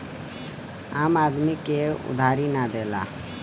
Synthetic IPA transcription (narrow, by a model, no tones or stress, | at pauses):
aːmaːd̪mikeʊ̰d̪ʱaːɾinad̪eːla̰ː